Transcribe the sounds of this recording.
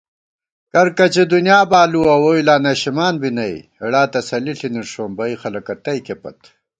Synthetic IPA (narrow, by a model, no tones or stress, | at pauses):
kɐɾkɐt͡ɕed̪unjaːbaːluɐwoːilaːnɐɕimaːnbinɐj̰ɐɽaːt̪ɐsɐliɬiniɾʂoːmbɐixɐlɐkɐt̪ɐjkepɐ̰t̪